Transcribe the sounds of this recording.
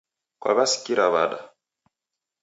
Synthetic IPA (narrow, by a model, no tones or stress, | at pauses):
kwa̰βasi̥kiɾaβaɗa